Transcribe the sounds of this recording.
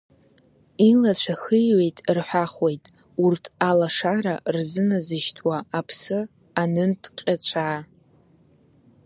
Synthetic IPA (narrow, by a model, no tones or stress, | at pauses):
ilat͡ɕʷʰaχəjwejtʼrħʷaχwe̞jtʼ | urtʰalaʂaɾarzɨnazɨʃtʰwaːpʰsɨ | anɨntʰqʲʼat͡ɕʷʰaː